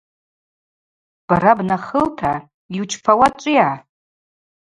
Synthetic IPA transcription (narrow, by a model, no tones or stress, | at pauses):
b̥aɾabnaχəltʰa | iut͡ʃʰfʰawat͡ʃʷʼija